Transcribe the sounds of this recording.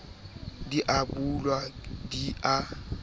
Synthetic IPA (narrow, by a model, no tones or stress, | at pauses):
diʔabulwadia